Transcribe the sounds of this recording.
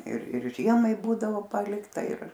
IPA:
ɪr ɪr ˈʒʲiɛmɐɪ ˈbuːdɐʋoː ˈpɑːlʲɪktɐ ɪr

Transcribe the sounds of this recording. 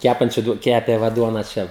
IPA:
ˈkʲæpɐnʲt͡ʃʲʊ ˈkʲæːpʲeː ˈʋɐ ˈduɔnɐ ˈt͡ʃʲɛ

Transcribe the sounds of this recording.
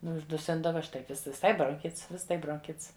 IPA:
ˈnʊ ʊʒdʊˈsʲɪndɐʋɐ ˈʃtɐɪ ʋʲɪˈsɐɪ broːŋʲˈxʲɪts ˈʋʲɪs ˈtɐɪ broːŋʲˈkʲɪts

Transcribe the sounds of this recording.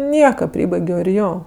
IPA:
ˈnʲiɛkɐ ˈpʲrʲiːbɐɪɡʲoː ɪr ˈjoː

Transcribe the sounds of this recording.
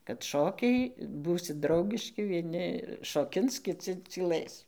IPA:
kɐt ˈʃoːkʲɛɪ ˈbuːsʲɪt ˈdrɐʊɡʲɪʃʲkʲɪ ʋʲiɛˈnʲɪ ʃoːˈkʲɪns kʲɪˈt͡sʲɪ t͡sʲiːˈlˠɘs

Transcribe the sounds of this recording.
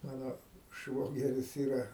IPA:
ˈmɑːnoː ˈʃʋoːɡʲɛrʲɪs ˈiːrɐ

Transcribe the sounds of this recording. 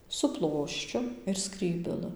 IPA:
sʊ ˈplˠoːʃʲt͡ʃʲʊ ɪr ˈskrʲiːbʲɛlˠɨ

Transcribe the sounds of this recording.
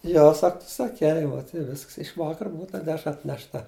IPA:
ˈjoː ˈsɐk tʊ sɐˈkʲɛɪ ʋoːt ɪ ˈʋʲɪsks ɪʃ ˈʋɑːkɐr ˈbʊʊ tɐ ˈdʲæːʃrɐ ɐtʲnʲɛʃˈtɐ

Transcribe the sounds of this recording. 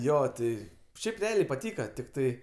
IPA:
ˈjoː ˈtʲɪ ˈʃʲɛɪp rʲɛˈɑːlʲɛɪ pɐˈtʲiːkɐ tʲɪkˈtɐɪ

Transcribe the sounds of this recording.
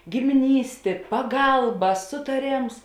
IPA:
ɡʲɪmʲɪˈnʲiːsʲtʲeː pɐˈɡɐlˠbɐ sʊtɐˈrʲeːms

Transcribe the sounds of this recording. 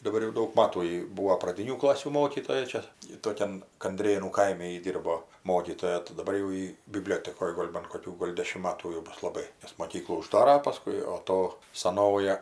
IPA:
dɐˈbɐr jɛʊ ˈdɐʊk ˈmɑːtuː jɪ ˈbuːʋoː prɐˈdʲɪnʲuː ˈklˠɑːsʲuː ˈmoːkʲiːtoːjɛ ˈt͡ʃʲɛ ˈjɪ toːˈkʲɛn kɐnʲˈdʲrʲeːnuː ˈkɐɪmʲɛ jɪ ˈdʲiːrboː ˈmoːkʲiːtoːjɛ tɐɪ dɐˈbɐr jɛʊ ˈjiː bʲɪˈbʲlʲoːtʲɛkoːj ˈɡoːlʲ bɐn koːˈkʲuː ɡoːlʲ ˈdʲæːʃʲɪm ˈmɑːtuː jɛʊ ˈbʊs lˠɐˈbɐɪ nʲɛs moːˈkʲiːklˠuː ʊˈʒdɑːrɐ pɐˈskʊɪ oː ˈtoː sɐˈnoːjɛ

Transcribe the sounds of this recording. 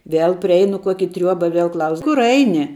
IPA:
ˈʋʲeːlˠ pʲrʲɪˈɛɪnʊ ˈkuɔkʲɪ ˈtʲrʲuɔbɐ ˈʋʲiɛlˠ ˈklˠɐʊs ˈkʊr ˈɐɪnʲɪ

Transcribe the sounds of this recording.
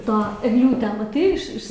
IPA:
ˈtoː ɛɡˈlʲuːtʲæː mɐˈtɐɪ ɪʃ ˈɪʃ

